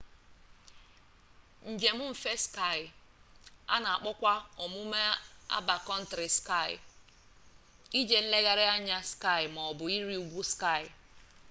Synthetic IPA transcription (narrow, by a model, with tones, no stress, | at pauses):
n̩˨d͡ʒe˨mʊ˦m̩˨fe˦ska˦˨ɪ˨ | a̰˦na˨a˨k͡pʊ˦kʷa˦ɔ˨mʊ˦me˦a̰˦ba˨kɔ˦n̩˦tɾɪ˨ska˦˨jɪ̰˨ | i˦d͡ʒe˨n̩˦le˦ɣa˦ɾɪ˦a˦ɲa˦ska˦˨ɪ˨mɔ˨bʊ˨i˦ɾi˦u˦ɡʷu˦ska˦˨ɪ˨